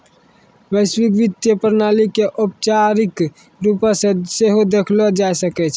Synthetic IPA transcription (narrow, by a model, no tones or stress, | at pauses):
bəɪswikʋit̪jəpəɾnalikeʔop̚t͡ʃaɾik | ɾupəseseɦod̪ekʰlɔd͡ʒajsəkɛt͡ʃʰ